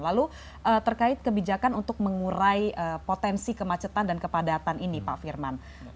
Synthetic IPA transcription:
lalu | ʔət̪ərkaɪt̪̚kəbid͡ʒakanunt̪ʊk̚məŋuɾaiəpot̪ɛnsikəmat͡ʃət̪andankəpadat̪aninipaʔfirman

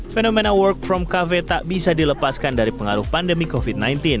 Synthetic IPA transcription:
fenomenawərk̚fɾɔmkavet̪aʔbisadiləpaskandaɾipəŋaɾʊhpandəmikofid̚najnt̪in

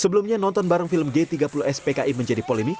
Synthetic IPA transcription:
səbəlumɲanɔnt̪ɔnbaɾaŋfiləmɡet̪iɡapuluɛspekaʔiməɲd͡ʒadipolemik

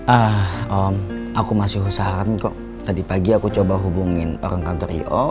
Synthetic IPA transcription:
ʔahɔm | akumasɪɦusaɾankɔʔ | t̪adipaɡiakut͡ʃobaɦubuŋɪno̰ɾaŋkant̪ɔɾḭɔ̰

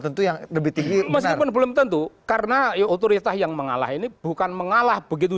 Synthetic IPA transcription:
t̪ənt̪ujaŋləbɪht̪iŋɡiməs̬kirpʊnbəlʊmt̪ənt̪ukaɾənajaot̪oɾit̪asjaŋməŋa̰la̰ɦinib̥ukanməŋalahbəɡit̪̬u

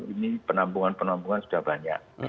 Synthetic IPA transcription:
inipənambuŋanpənambuŋansu̥dahbaɲa̰ʔ̚

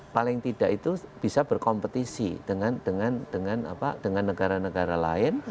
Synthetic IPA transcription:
palɪŋt̪id̥aʔit̪ub̥isab̥ərkɔmpət̪isḭd̥əŋand̥əŋand̥əŋana̰pa̰d̥əŋanːəɡ̥aɾanəɡaɾalaɪn

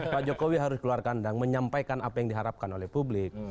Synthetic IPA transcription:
paʔd͡ʒokowiɦaɾʊskəluarkandaŋməɲampajkanapajaŋdiɦaɾap̚kanolɛhpublɪk̚

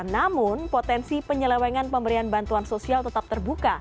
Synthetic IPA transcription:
namʊnpot̪ɛnsipəɲəlɛwɛŋanpəmbəɾianbant̪uansosialt̪ət̪ap̚t̪ərbuka

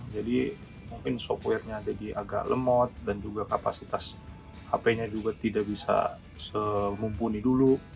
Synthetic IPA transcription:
d͡ʒadi | muŋkɪnsɔftwɛrɲaːdadia̰ɡa̰ʔlə̰mɔt̪̚dand͡ʒuɡakapasit̪as | apaɲad͡ʒuɡat̪idaʔbisa̰ | səmumpunidulu

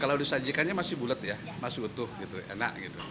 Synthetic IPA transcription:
kalaudisad͡ʒikanɲamasɪhbulət̪ja | masɪhut̪ʊhɡit̪uḛna̰ʔɡit̪u

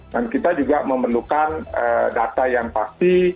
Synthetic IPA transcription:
dankit̪ad͡ʒuɡaməmərlukanədat̪ajaŋpast̪i

